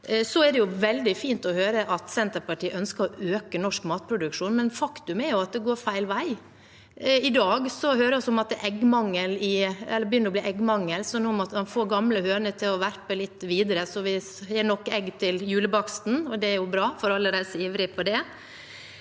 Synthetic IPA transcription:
sɔæd̪ɛjʊʋɛld̪ɪfiːnt̪ɔhøːɾəʔɑt̪sɛnt̪əɾpɑʈiːʔœnskəɾɔʔøːkənɔʂkmɑːt̪̚pʰɾʊd̪ʉkʂuːnmɛnfɑkt̪ʉmæɾjʊɑt̪̚d̪ɛɡoːɾfæɪlʋæɪ | ɪd̪ɑːɡsɔhøːɾəɔsɔmɑt̪̚d̪ɛʔɛɡːmɑŋːəlɪɛlːəɾbəjʏnːəɾɔbliːʔɛɡːmɑŋːəlsɔnɔmɑt̪mɑnfoːɾɡɑmləhøːnət̪ʰɪlɔʋæɾpəlɪt̪ːʋiːd̪əɾəsɔʋɪ | hɛːɳɔkːɛɡːt̪ʰɪljʉːləbɑksn̩ɔd̪ɛæɾjʊbɾɑːfɔɾɑlːəɾæsiːʋɾɪpʰɔd̪ɛ

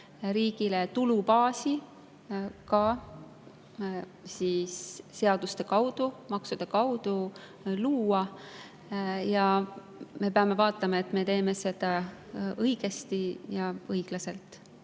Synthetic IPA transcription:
ɾiːɡ̥ilet̪ulupɑːsi | kɑ | sisːe̞ɑd̪̥ust̪e̞kɑwd̪̥umɑksud̪̥e̞kɑwd̪̥u | luːɑ | jɑ | me̞peɑme̞vɑːt̪ːˑɑmɑe̞t̪me̞t̪e̞ːme̞se̞d̪̥ɑɤjɡ̥e̞st̪ijɑɤjɡ̥lɑse̞lt̪ˑ

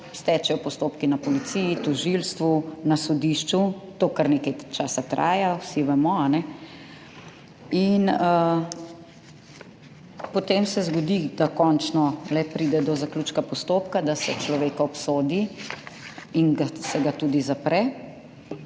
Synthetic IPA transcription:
st̪ɛt͡ʃɛjɔpɔst̪oːpkinapɔlit̪siːjit̪ɔʒilst̪ʋunasɔd̪iːʃt͡ʃut̪oːkaɾneːkɐjt͡ʃaːsat̪ɾa̰ːjawsiʋɛmɔanɛ | inə | pɔt̪eːmsɛzɡɔd̪id̪akɔnt͡ʃnɔlɛpɾiːd̪ɛd̪ɔzakluːt͡ʃkapɔst̪oːpkad̪asɛt͡ʃlɔʋeːkaɔpsoːd̪i | inɡasɛɡat̪uːd̪izapɾɛ

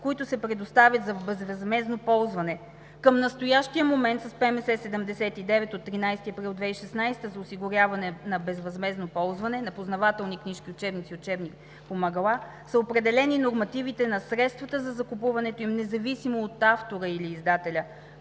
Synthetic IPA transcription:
koit̪ʊsɛpɾɛd̪ost̪avʲjət̪zɐbɛzvɐzmɛznopɔlˠzvɐnɛ | kəmnɐst̪ojaʃt̪ijəmomɛnt̪sɐspɛmɛsɛsɛd̪ɛmd̪ɛsɛt̪id̪ɛvɛt̪ot̪ːɾinajst̪iɐpɾilˠd̪vɛiʃɛsnajst̪əzɐosiɡʊɾʲjavɐnɛnɐbɛzvɐzmɛznopɔlˠzvɐnɛnɐpoznɐvat̪ɛlˠnikniʃkiʊt͡ʃɛbnit̪siʊt͡ʃɛbnik | pomɐɡɐlˠa | səopɾɛd̪ɛlɛninoɾmɐt̪ivit̪ɛnɐsɾɛt̪st̪vɐt̪əzɐzɐkupuvɐnɛt̪oimnɛzɐvisimoːt̪aft̪oɾəiliːzd̪at̪ɛlʲə

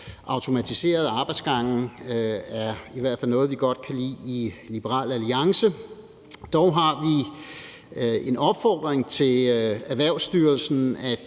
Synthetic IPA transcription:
ʔɑ̈ʊt͡sʰo̝mæt͡sʰise̝̰ːɐð̞ˠɑ̈ːb̥ɑ̈ɪdsɡ̥ɑ̈ŋ̰n̩ | æɐiʋæɐ̰d̥fæl̰nɔ̽ːð̞̩ˠʋiɡ̥ɒ̽d̥̚kʰælḭːilib̥əʁɑ̰̈ːl̰æliɑ̈ŋsə | d̥ɒʊɦɑ̈ʋi | e̝nɒ̽b̥fɒ̰ːd̥ʁeŋt͡sʰe̝læʋæɐ̰ʊsd̥yːɐlsn̩æ

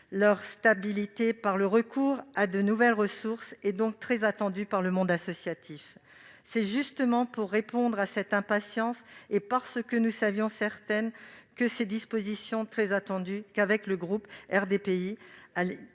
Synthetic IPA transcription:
lœʁst̪abilit̪epaʁləʁəkʰuʁad̪ənuvɛlʁəsuʁsed̪ɔ̃k̚t̪χɛzat̪ɑ̃d̪ypaʁləmɔ̃d̪asɔsjat̪ʰif | sɛʒyst̪əmɑ̃puʁːepɔ̃d̪ʁasɛt̪ɛ̃pasjɑ̃sepaʁsəkənusavjɔ̃sɛʁt̪ɛnkəsed̪ispozisjɔ̃t̪χɛzat̪ɑ̃d̪ykavɛkləɡʁupɛʁd̪epeiale

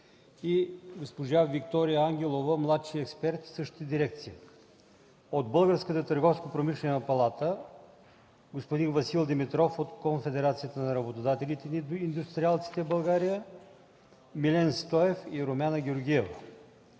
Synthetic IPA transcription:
iɡospoʒavik̚t̪ɔɾijəaŋɡʲɛlˠovəmlˠat̪ʃiɛkspɛɾt̪i̥sɤʃt̪t̪əd̪iɾɛk̚t̪sii | od̪bɤlˠɡəɾskət̪ət̪əɾɡɔfskopɾomiʃlɛnɛnɐpɐlˠat̪ə | ɡospod̪invɐsilˠd̪ɛmit̪ɾɔfot̪konfɛd̪ɛɾat̪sijət̪ənɐɾɐbot̪od̪at̪ɛlit̪ɛind̪ust̪ɾʲialˠt̪si̥t̪ɛbɐlˠɡaɾijə | milʲɛnst̪ɔɛfiɾomʲanəɡʲeoɾɡʲiɛvə

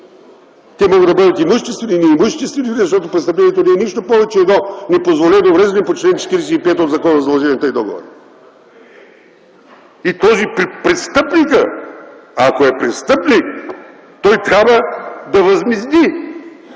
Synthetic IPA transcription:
t̪ʲɛmɔɡəd̪ɐbɤd̪ət̪imuʃt̪ɛst̪vɛninɛimuʃt̪ɛst̪vɛninʲizɐʃt̪ɔt̪opɾɛt̪st̪ɐp̬lɛnijɛt̪onɛɛniʃt̪opɔvɛt͡ʃɛːɡ̪nɔnipozvolʲɛd̪ɐovɾɛzɛnimpot͡ʃt̪lɛnt͡ʃɛ̥t̪iɾiɛsɛipɛt̪od̪zɐkɔnzɐd̪lˠʒɛnʲiɛt̪əid̪ɔɡo̰vo̰ɾə | it̪ɔzippɾɛst̪ɤpnikə | ɐkoɛpɾɛst̪ɤpnik | t̪ɔjt̪ɾʲabvəd̪ɐvɐzmizd̪i

